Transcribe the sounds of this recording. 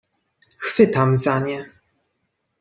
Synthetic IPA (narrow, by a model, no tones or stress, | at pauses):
xfɘt̪amzaɲɛ